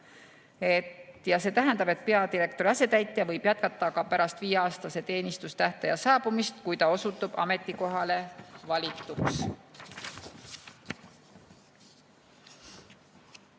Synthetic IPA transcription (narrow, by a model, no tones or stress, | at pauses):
e̞t̪jɑse̞ːt̪æɦend̪ɑbe̞t̪̚pe̞ɑd̪iɾe̞kt̪o̞ɾiɑse̞t̪æjt̪ːˑiɑvɤjb̥jɑt̪̚kɑt̪ːˑɑkɑpæɾɑst̪viːeɑːst̪ɑse̞t̪e̞ːnʲist̪ust̪æht̪ejɑsɑːb̥umist̪kujt̪ɑo̞sut̪ːˑub̥ɑ̰me̞t̪ːˑiko̞ɦɑle̞vɑlʲit̪ːˑuks